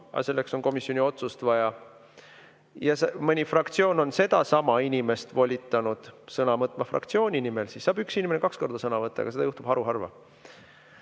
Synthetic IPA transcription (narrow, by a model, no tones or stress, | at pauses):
ɑ̰se̞lːe̞kso̞nko̞misjo̞nʲio̞t̪sust̪vɑjɑ | jɑsemɤnʲifrɑkt̪sio̞ːno̞nse̞d̪ɑsɑmɑinʲime̞st̪vo̞lʲit̪ːˑɑnud̪̥sɤnɑmɤt̪ːˑmɑfrɑ̰kt̪sio̞ːnʲinimelsiːsːɑːbyksinʲimenekɑksko̞rd̪̥ɑsɤnɑvɤt̪ˑːɑ̰̥ɑse̞d̪ɑjuht̪ub̥hɑɾuɦɑrvɑ̰